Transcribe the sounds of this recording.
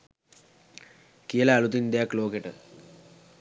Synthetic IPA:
kijəlaːlut̪ind̪ejakloːkeʈə̰

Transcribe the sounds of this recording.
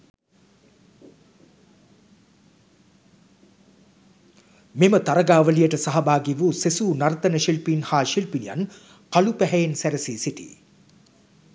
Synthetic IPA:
memət̪aɾɐɡaːʋəlijəʈəsaɦɐbaːɡiʋusesuːnɐɾt̪ɐnəʃilpinhaːʃilpinija̰n | kalupæɦɛjensæɾɐsiːsiʈḭː

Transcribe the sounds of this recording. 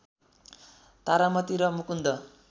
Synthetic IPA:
t̪aɾamʌt̪iɾʌmukund̪ʌ

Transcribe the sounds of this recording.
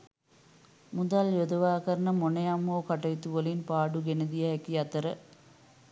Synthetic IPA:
mud̪aljod̪ɐʋaːkəɾɐnəmonejamːoːkaʈɐjit̪uʋəlinpaːɖuɡenəd̪ijɐɦɛkiɐt̪əɾə

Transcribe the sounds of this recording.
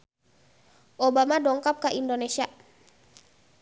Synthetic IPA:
ʔobamadɔŋkap̚kaʔindonesia

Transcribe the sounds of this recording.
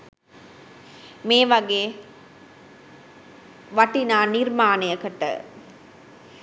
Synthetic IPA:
meːʋɐɡeː | ʋɐʈinaːniɾmaːnejɐkɐʈːə̰

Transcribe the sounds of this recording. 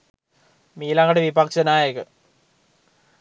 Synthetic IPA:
miːlaŋɐɽeʋibʱakɕɐnaːjekɨ

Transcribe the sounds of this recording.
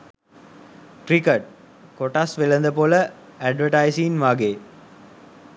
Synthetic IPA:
ʈɾikɐʈ̚ | koʈasʋelɐnd̪əpolə | æɖʋəʈajsinʋaːɡeː

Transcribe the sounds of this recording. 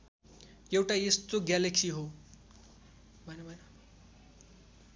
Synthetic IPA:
jewʈajest̪oɡjaleksiɦo | bʱʌnebʱʌn

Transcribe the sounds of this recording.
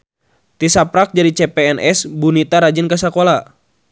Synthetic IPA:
t̪isapɾak̚d͡ʒaɾit͡ʃɛpɛɛnʔɛsbunit̪aɾad͡ʒinkasakola

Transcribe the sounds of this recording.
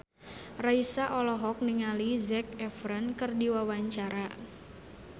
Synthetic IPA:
raisaʔɔlɔɦɔk̚niŋalizɛk̚ɛfɾənkɨrdiwawaɲt͡ʃaɾa

